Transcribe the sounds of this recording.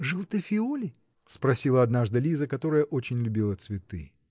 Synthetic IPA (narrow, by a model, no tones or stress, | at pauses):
ʐɨlˠt̪ɨfʲɪolʲɪ | spɾɐsʲilˠəɐd̪naʐd̪ɨlʲizəkɐt̪o̞ɾəjəʔot͡ɕɪnʲlʲʊbʲilˠət̪svʲɪt̪ɨ̰